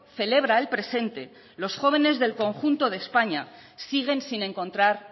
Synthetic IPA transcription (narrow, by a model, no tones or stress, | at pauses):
θe̞le̞β̞ɾae̞lpɾe̞se̞nt̪e̞ | lo̞sxo̞β̞e̞ne̞zðe̞lko̞ŋxunt̪o̞ð̞espaɲasiɣ̞e̞nsinẽ̞ŋko̞nt̪ɾaɾ